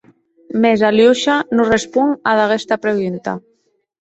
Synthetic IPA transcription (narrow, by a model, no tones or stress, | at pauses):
mezaljuʃanurespuŋaðaɣest̪apɾeɣunt̪a̰